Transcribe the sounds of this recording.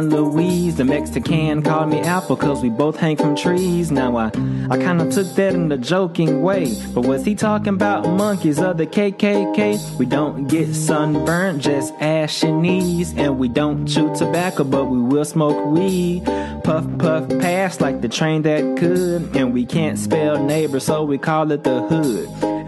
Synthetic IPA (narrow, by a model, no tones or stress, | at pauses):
nluizðɨmɛksɨkʰæ̃nkʰɔlˠmiʔaʊt̚b̥əkʰʌzwiboʊθhæ̃ŋfɹʌ̃mtʰɹ̥iznaʊaɪaɪkʰãɪ̃ndɨtʰʊk̚ðɨɾɨ̃n̩ðɨd͡ʒoʊkɪ̃ŋweɪb̥ʌt̚wʌz̥itʰɔkɪ̃ŋəbaʊt̚mʌ̃ŋkizʌvðɨkʰeɪkʰeɪkʰeɪwidõʊ̃nɡ̥ɛtsʌ̃nbɜ̃˞nt̚d̥ʒ̥ʌstæʃɨnizɨ̃nwidõʊ̃nt͡ʃʉtʰɨbækoʊbʌt̚wiwɪlˠsmoʊkwi | pʰʌfpʰʌfpʰæslaɪk̚ðɨtʰɹ̥ẽɪ̃nðɨt̚kʰʊɾɨ̃nwikʰæ̃ntspɛlˠneɪbə˞z̥soʊwikʰɔlˠɪt̪̚ðəhʊd̥